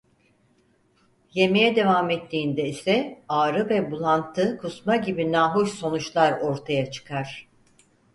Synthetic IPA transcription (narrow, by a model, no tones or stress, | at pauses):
je̞me̞jɛd̪e̞vamɛt̪ʰːiːnd̪ɛisɛaːɾɯvɛbulˠant̪ʰːɯkʰusmaɟibinaːɦuʃso̞nut͡ʃlˠaɾo̞ɾt̪ʰajat͡ʃʰɯ̥kʰaɾ̥